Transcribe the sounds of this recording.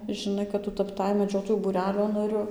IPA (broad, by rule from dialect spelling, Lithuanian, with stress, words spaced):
ʒʲɪˈnɐɪ kɐt ˈtʊ tɐpˈtɐɪ mʲɛˈd͡ʒʲoːtoːjuː buːˈrʲæːlʲoː nɐˈrʲʊ